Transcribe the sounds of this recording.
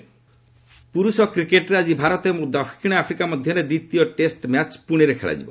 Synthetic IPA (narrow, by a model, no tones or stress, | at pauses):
puɾusɔkɾikeʈɾead͡ʒibʱaɾɔt̪emud̪ɔpʰi̥kʰiɽ̃eapʰɾikamɔd̪ʱjɔɾed̪it̪ijɔʈesʈmjat͡ʃpuɽ̃iɾekʰḛɭa̰d͡ʒḭbɔ